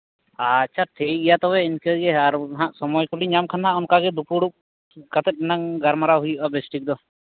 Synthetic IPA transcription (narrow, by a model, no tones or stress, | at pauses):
at͡ʃʰaʈʰikijat̪ɔwɛinkəɡɛaɾɦãʔsɔmɔjkuliɲamkʰanaʔɔnkaɡɛd̪ukuɽup̚ | kat̪ɛt̪̚ˀnaŋɡaɾmaɾaɦujuʔabɛsʈik̚d̪ɔ